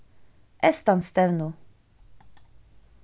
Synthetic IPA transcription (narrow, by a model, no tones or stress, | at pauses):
ɛst̪anst̪ɛvnu